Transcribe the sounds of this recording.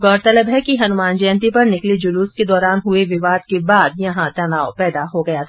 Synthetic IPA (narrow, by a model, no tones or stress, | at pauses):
ɡɔːɾt̪ɐləbɦɛkiɦɐnʊmaːnd͡ʒɐjə̃nt̪ipɐɾnɪklid͡ʒʊluːsked̪ɔːɾaːnɦʊeʋɪʋaːd̪kebaːd̪jɐɦãt̪ɐnaːopɛːd̪aɦoɡɐjat̪ʰː